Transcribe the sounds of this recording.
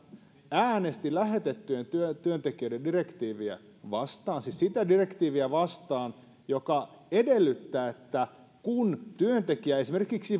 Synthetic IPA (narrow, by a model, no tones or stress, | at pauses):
æːne̞st̪ilæɦe̞t̪et̪ːyent̪yøt̪yønt̪ekiødendirekt̪iːʋiæ̰ | ʋɑst̪ɑːnsissit̪ædire̞kt̪iːʋiæʋɑst̪ɑːn | jo̞kɑ | e̞de̞lːyt̪ːæːet̪ːæ | kunt̪yønt̪ekiæesime̞rkiksi